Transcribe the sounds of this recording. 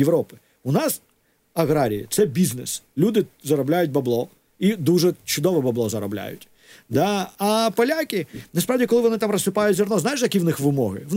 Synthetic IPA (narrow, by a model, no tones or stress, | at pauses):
jeʋɾɔpɪ̥ | ʊnɑs | ɐɣɾaɾʲḭjḭt̪sɛbʲiznɛslʲud̪ɪzɐɾɔblʲajʊt̚ʲbɐblˠɔ | id̪uʒɛt͡ʃʊd̪ɔʋɛbɐblˠɔzɐɾɔblʲa̰jʊ̰tʲ | d̪aːpɐlʲakʲɪnɐspɾawdʲikɔlˠɪʋɔnɪt̪amrɐsɪpajʊtʲzʲɔrnɔznajɪʃjɐkʲiʋnɪxʋɪmɔɦɪ̰